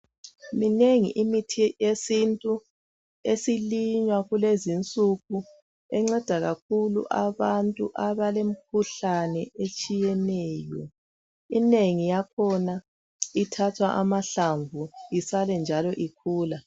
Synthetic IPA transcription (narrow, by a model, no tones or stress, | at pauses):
mineŋḭʔimitʰijesintʼu | esiliɲwaɣulezint͡sʼuɣu | ɛŋ͡ǁɛd̥ʱaɣakʰulṵʔaβantʼuʔaβalem̩k̚ʰuɬanɛet͡ʃʼijɛnɛːjɔ | ineŋijakʰɔna | itʰatʰwaʔamaɬaɱvuisalɛnd͡ʒʱalɔʔikʰuːla